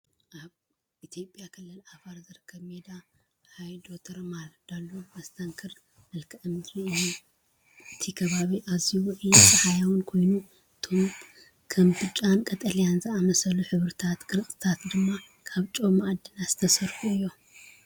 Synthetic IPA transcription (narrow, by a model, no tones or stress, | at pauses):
ʔaβ | ʔit̪ʰjo̞pʼjakʰɨlːɨlʔafaɾzɨɾɨkʰːɐβmed̪a | hajd̪o̞t̪ʰɐɾmaɾd̪̥alːomɐst̪ʰɐŋkʰɨɾ | mɨlkʰɨʔɨmd̪ɾiɨju | ʔɨt̪ʰikʰɐβaβiʔaziwʕit̪ʼɐħajawunkʰo̞jnu | ɨt̪ʰo̞m | kʰɐmbɨt͡ʃʼankʼɐt̪ʼɐlijanzɨamɐsɐluħɨβɾɨt̪ʰat̪ɡɨɾɨsʼɨ̥t̪ʰat̪d̪ɨmːa | kʰaβt͡ʃʼo̞mad̪ɨnaz̥ɨ̥t̪ʰɐsɐɾfuɨjːo